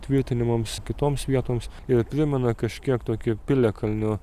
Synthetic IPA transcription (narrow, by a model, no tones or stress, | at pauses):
t̪ʲʋʲɪɾʲt̪ʲɪnʲɪmɐmskʲɪt̪oːmsʋʲiɛt̪oːms | ɪɾpʲɾʲɪmʲɛnɐkɐʃʲkʲiɛkt̪oːkʲʊpʲɪlʲɛkʰɐlʲnʲʊ